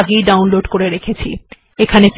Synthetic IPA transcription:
ɡejɖawnloɖkoɾeɾekʰet͡ɕʰḭ | ekʰanep

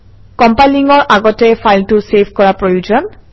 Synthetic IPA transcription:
kɔmpajliŋɔɹʔaɡɔtɛpʰajltʊsepkɔɹapɹojud͡ʒɔn

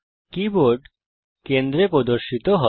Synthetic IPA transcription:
kiboɾɖ | kend̪ɾepɾod̪oɾʃit̪oɦɔ

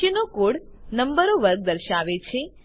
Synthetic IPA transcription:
ənokoɽnəmbəɾoʋəɾɡ̚d̪əɾʃaʋet͡ʃʰe

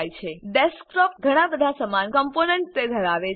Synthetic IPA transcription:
jt͡ʃʰeɖɛskɾɔp̚ɡʱəɽ̃ãbəd̪ʱasəmankəmponɛɳʈ̚t̪ed̪ʱəɾaʋe

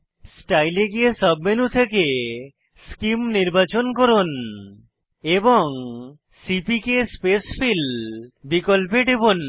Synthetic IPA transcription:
sʈajleɡijesɔbmenut̪ʰeke | skimniɾbat͡ʃonkoɾon | ebɔŋ | sipikespespʰilbikɔlp̬eɖebon

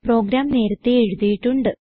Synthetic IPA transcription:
pro̞ːɡɾaːmne̞ːɾɐt̪ːeeɻuðijiʈːuɳɖɨ

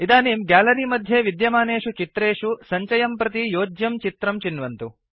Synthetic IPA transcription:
id̪aːniːmɡaːlɐɾimɐd̪ʱjeːʋid̪jɐmaːneːʂut͡ʃit̪ɾeːʂusɐɲt͡ʃɐjɐmpɾɐt̪̬ijoːd͡ʒjɐmt͡ʃit̪ɾɐmt͡ʃinʋɐnt̪u

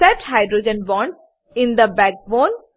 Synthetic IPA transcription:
sɛʈhaɪɖɾoːd͡ʒə̃nʋɔ̃ːɳʈs | ɪ̃nd̪əbæk̚bõːn

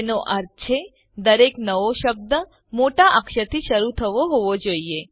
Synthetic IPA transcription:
noʔəɾt͡ʃʰe | d̪əɾeknəʋoʃəb̚d̪ə | moʈaʔəkʃət̪ʰiʃəɾut̪ʰəʋoɦoʋod͡ʒoie

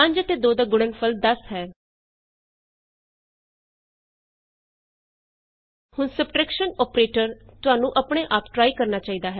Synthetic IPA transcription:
ə̃ɲd͡ʒət̪eːd̪oːd̪aːɡʊɽənpʰəld̪əsɦɛː | hʊnsəp̚ʈɾəːkʃənɔːpɾeːʈəɾt̪ʊaːnũːʔəpɳ̃eːʔaːpʈɾaːikəɾnaːt͡ʃaːiːd̪aːɦɛː

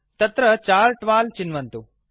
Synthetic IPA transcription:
t̪ɐt̪ɾət͡ʃaːɭʈʋaːlt͡ʃɪnʋɐnt̪u

